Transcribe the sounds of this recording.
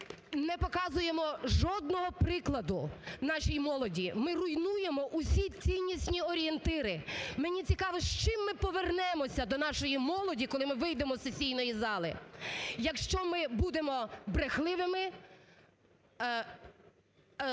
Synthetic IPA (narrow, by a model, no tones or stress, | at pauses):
nɛpɔkɑzʊjemɔʒɔd̪̚nɔɦɔpɾɪklˠɐd̪ʊnɑʃʲijimɔlˠɔdʲimɪrʊjnujemɔʔusʲit͡sʲijnʲːisʲnʲiɔɾʲient̪ɪɾɪmenʲit͡sʲikɑʋɔʃt͡ʃɪmːɪpɔʋernɛmɔsʲɐd̪ɔnɑʃɔjimɔlˠɔdʲikɔlˠɪmɪʋɪjd̪emɔsesʲijnɔjizɑlˠɪjɐkʃt͡ʃɔmɪbud̪emɔbɾexlˠɪʋɪmɪ